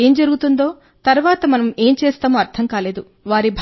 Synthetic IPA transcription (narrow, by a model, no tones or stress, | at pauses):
e̞ːmd͡ʒɐɾuɡut̪und̪o̞ː | t̪ɐɾuʋaːt̪ɐmɐnɐme̞ːmt͡ʃeːst̪aːmoɐɾt̪ʰɐŋkaːle̞ːd̪u | ʋaːɾibʱ